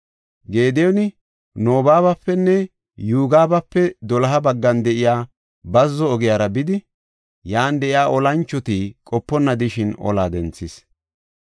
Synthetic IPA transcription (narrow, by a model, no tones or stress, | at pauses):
ɡe̞ːd̪ɛjɔnɪ | noːbaːβɐpːɛnːɛ | juːɡaːbɐpːɛd̪ɔlɐɦɐbɐɡːɐnd̪ɛʔɪjaː | bɐzːɔːɡɪjaːɾɐbɪd̪ɪ | jaːnd̪ɛʔɪjaːʔɔlɐnt͡ʃːɔt̪ikʼɔpːɔnːɐd̪ɪʃɪnɔ̰laːd̪ɛnt͡sːɪs